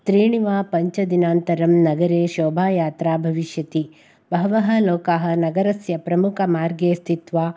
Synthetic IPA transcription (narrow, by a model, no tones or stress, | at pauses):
t̪ɾiːɳiʋaːpɐɲt͡ʃɐd̪inaːnt̪ɐɾɐmnɐɡɐɾeːʃɔːbʱaːjaːt̪ɾaːbʱɐʋiʃjɐt̪i | bɐɦʋɐɦɐlɔːkaːɦɐ̆nɐɡɐɾɐsjɐpɾɐmukʰɐmaːɾɡeːst̪ʰit̪ʋaː